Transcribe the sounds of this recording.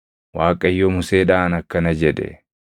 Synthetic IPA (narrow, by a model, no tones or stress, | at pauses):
waːkʼːɐɪjːɔmʊseːᶑaːnɐkːɐnɐd͡ʒɛᶑɛ̰